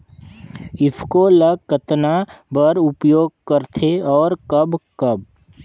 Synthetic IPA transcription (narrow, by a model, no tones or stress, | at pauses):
ɪpʰkoləɡkət̪nabəɾʊpjoːɡ̚kəɾt̪ʰeɔːɾkəbkɐb̚